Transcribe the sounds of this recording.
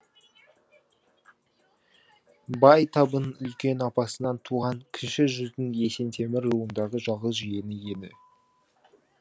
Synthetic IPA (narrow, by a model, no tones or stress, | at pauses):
bɑjt̪ʰɑbənʏlkʲe̞nɑpɑsənɑnt̪ʰuʁɑŋkʲʰɪnʃɪʒʏzd̪ɪŋe̞se̞nt̪ʰe̞mɪɾuənd̪ɑʁəʒɑlˠʁəzʒije̞nɪje̞d̪ɪ